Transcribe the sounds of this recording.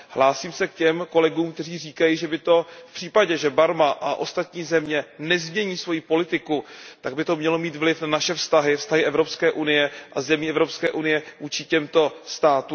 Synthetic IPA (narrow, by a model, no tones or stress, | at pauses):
hlaːsiːmsɛkcɛmko̞lɛɡuːmkt̪ɛr̝iːriːkajiʒɛbɪt̪o̞fpr̥iːpaɟɛʒɛbaɾmaʔaʔo̞̰st̪at̪ɲiːzɛmɲɛnɛzmɲɛɲiːsvo̞jipo̞lɪt̪ɪkut̪aɡ̚bɪt̪o̞mɲɛlo̞miːt̪vlɪfnanaʃɛfst̪aɦɪfst̪aɦɪʔɛvɾo̞pskɛːʔunɪjɛʔazɛmiːɛvɾopskɛːʔunɪjɛvuːt͡ʃɪcɛmt̪o̞st̪aːt̪uː